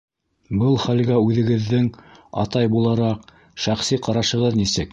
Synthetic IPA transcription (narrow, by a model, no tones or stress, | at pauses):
bɤlˠχælɡæʉðɘ̆ɡɘ̆ðːɘŋɑ̰t̪ɑjbulˠɑɾɑq | ʃæχsiqɑɾɑʃɤ̆ʁɤðnisɘk